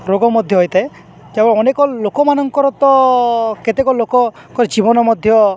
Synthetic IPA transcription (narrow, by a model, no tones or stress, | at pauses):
ɾoɡɔmɔd̪ʱjɔɦojt̪ae | d͡ʒabɔɔnekɔlokɔmanɔŋkɔɾɔt̪ɔket̪ekɔlokɔ | kɔɾid͡ʒibɔnɔmɔd̪ʱjɔ